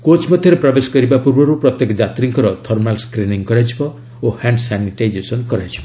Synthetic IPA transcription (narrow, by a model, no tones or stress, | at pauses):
kot͡ʃmɔd̪ʱjɔɾepɾɔbesɔ̥kɔɾibapuɾbɔɾupɾɔt̪jekɔd͡ʒat̪ɾiŋkɔɾɔt̪ʰɔɾmnalskɾiniŋkɔɾad͡ʒibɔ | ohaɳɖsaniʈajd͡ʒesɔnkɔɾajd͡ʒi̥bɔ